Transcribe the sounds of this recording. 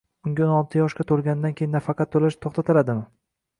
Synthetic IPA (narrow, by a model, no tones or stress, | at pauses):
ʊŋʲaonɒlˠt̪ʰɪjɒʃkʲat̪ʰolˠɡʲand̪ankʲʰejɪnːafɑqʰɑt̪ːʰolaʃt̪ʰoχt̪at̪ʰɪlad̪ɪmɪ